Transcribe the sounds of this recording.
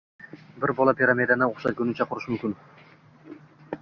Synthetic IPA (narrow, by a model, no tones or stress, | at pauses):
bɪɾbɒlˠapʰʲiɾamed̪anɪoχʃat̪kʲʊnɪt͡ʃʰaqʰʊɾɪʃmʊmkʲɪn